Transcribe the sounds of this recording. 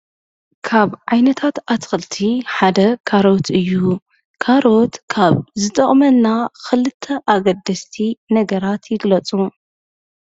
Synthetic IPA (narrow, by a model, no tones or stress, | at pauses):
kʰaβʕajnɐt̪ʰat̪at̪xɨlt̪ʰiħad̪ɐkʰaɾo̞t̪ʰɨjːu | kʰaɾo̞t̪kʰaβzɨt̪ʼɐχʼmɐnːaxɨlɨt̪ʰːɐʔaɡɐd̪ːɐst̪ʰinɐɡɐɾat̪jɪɡlɐt͡sʼu